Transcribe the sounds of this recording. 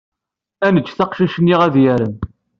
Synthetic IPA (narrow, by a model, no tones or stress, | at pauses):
ænət͡ʃːθɑqʃiʃənːiʁæðjæɾəm